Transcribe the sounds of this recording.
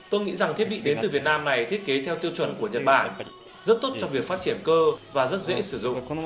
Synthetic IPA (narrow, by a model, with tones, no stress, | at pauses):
t̪o˧jŋḭ˧˥za˨˩ŋt̪ʰi˦˥əɓḭ˧˨ɗe˨˦nt̪ɨ˨˩vi˨˩ət̚naː˧mna˨˩jt̪ʰi˦˥ət̚ke˨˦t̪ʰɛ˧wt̪i˧əwt͡ɕwə˧˩nku˧˩əɲə˨˩t̚ɓaː˧˩n | zə˦˥t̚t̪o˦˥t̚t͡ɕɔ˧ŋ͡mvi˨˩ək̚faː˦˥t̚t͡ɕi˧˩ənkəː˧vaː˨˩zə˦˥t̚zḛ˧˥sɨ˧˩zʊ̰˧˨ŋ͡m